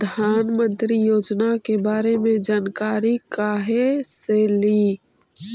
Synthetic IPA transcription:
pəd̪ʱaːnmə̃nt̪ɾijoːd͡ʒnakebaːɾemẽd͡ʒaːnkaːɾikaːɦeseːliː

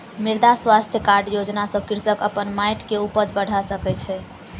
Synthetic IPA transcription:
miɾd̪aswast̪ʰjəkaɾɖjod͡ʒnasəb̚kiɾsəkəpənmajʈkeupəd͡ʒbəɽ̤ʱasəkɛt͡ʃʰɛ

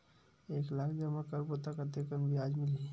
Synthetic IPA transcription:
eːklaːkʰd͡ʒɐmakəɾkot̪akət̪ekənbʱiaːd͡ʒmɪli

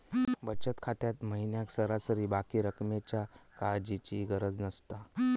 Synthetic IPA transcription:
bət͡ɕət̪kʰat̪jat̪məɦinjaksəɾasəɾiːbakiːɾəkmet͡ɕjakad͡ʑit͡ɕiɡəɾəd͡znəst̪a

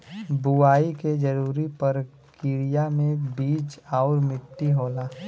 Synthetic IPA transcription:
buaːiked͡ʒəɾuːɾipɐɾ | kɪɾijamẽbiːt͡ʃaːʊɾmɪʈːiɦoːlaː

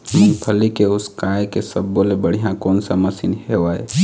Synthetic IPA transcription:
mʊ̃ŋɡpʰəlikeʊskaːjkesəbːolebəɽ̤ijãkoːnsaməsinɦeʋae

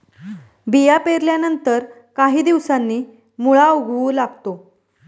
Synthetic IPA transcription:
bijapeɾljanənt̪əɾ | kaɦiːd̪iʋsanːiː | muɭauɡʱʋuːlaɡt̪o

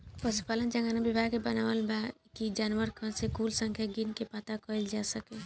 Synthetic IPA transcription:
pəspaːlənd͡ʒə̃ŋɡaːnabɪbʱaːɡkebɐnaʋəlbakid͡ʒaːnʋəɾkə̃sekuːlsə̃ŋkʰjaɡinkepat̪akɔld͡ʒaːsəkẽ

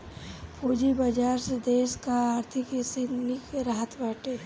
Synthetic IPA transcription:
pʰuːd͡ʒibɐd͡ʒaːɾsed̪eːskaaːɾt̪ʰɪkesenɪkɾaɦət̪baːʈe

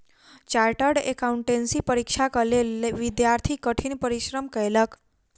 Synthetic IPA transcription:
t͡ʃaɾʈəɾɖḛkauɳʈensipəɾikʃakəleleʋid̪jaɾt̪ʰikəʈʰinpəɾiʃɾəmkəjlək

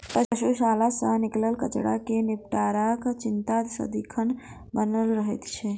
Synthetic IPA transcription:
pəʃuʃalasə̃nikləlkət͡ʃɽa̰kenipʈaɾakt͡ʃɪnt̪ad̪sə̰d̪ikʰən | bənəlɾəɦɛt̪t͡ʃʰɛ

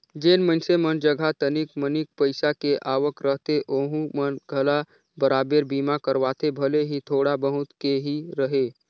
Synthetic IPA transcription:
d͡ʒeːnmənsemənd͡ʒəɡʱat̪ənikmənik̚pəɪsakeʔaːʋəkɾəɦt̪eʔoːɦũmənɡʱəla | bəɾaːbeɾbiːmakəɾʋaːt̪ʰebʱəleɦit̪ʰoːɽabəɦʊt̪keɦiɾəɦeː

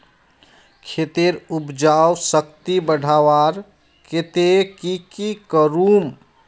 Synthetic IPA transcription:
kʰet̪eɾupd͡ʒawsəkt̪ibəɽ̤ʱaʋaɾ | ket̪ekikikəɾum

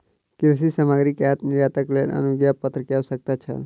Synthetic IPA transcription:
kɪɾs̬isamaːɡɾikjat̪nɪɾjaːt̪əkleːlə̰nuɡjapət̪ɾəkjawsək̚t̪at͡ʃʰə̰

